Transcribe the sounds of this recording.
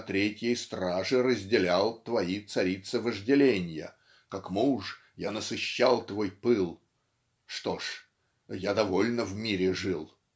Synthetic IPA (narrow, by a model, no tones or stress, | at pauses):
t̪ɾʲetʲjəjst̪ɾaʐɨrəzʲdʲɪlʲalˠt̪vɐit̪sɐɾʲit̪sɨvəʐdʲɪlʲenʲjə̰ | kakmuʂ | janəsɨɕːalˠt̪vojpɨlˠ | ʂt̪o̞ʂ | jad̪ɐvo̞lʲnəvmʲiɾʲɪʐɨlˠ